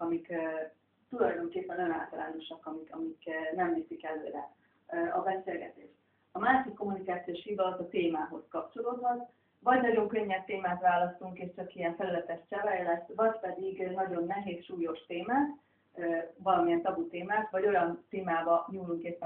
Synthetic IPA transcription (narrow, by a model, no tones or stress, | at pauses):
ɒmikː | t̪ulɒjd̪o̞ŋkeːpːɛnoøna̰ːlt̪ɒla̰ːno̞ʃɒkɒmikɒmikːnɛmneːsikɛlø̰ːɾɛ̰ | ɒbɛseːlɡɛt̪eːʃt̪ | ɒmaːʃikːo̞munikaːt̪sioːʃhid̪ɒt̪ɒt̪eːmaːɦo̞skɒp̚t͡ʃo̞loːd̪ʋɒn | vɒɟnɒɟo̞ŋkø̞ɲːɛb̚t̪eːmaːt̪ʋaːlːɒst̪uŋkeːʃt͡ʃɒkijɛɱfɛlylɛt̪ɛʃt͡ʃɛvɛjlɛsvɒɟpɛd̪iɡnɒɟo̞nːɛɦeːsʃuːjo̞ʃt̪eːmaːt̪ː | vɒlɒmiɛnt̪ɒbut̪eːmaːt̪vɒɟo̞jɒnt̪eːmaːbɒɲuːluŋkeːpːɛ